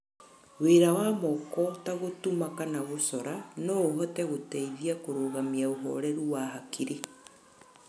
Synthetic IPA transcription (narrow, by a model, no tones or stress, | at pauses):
weɾawamɔkɔtaɣotumakanaɣosɔɾanɔoɦɔtɛɣotɛiðiakoɾoːɣamiaoɦɔ̰ɾɛɾuwaːɦakʰiɾe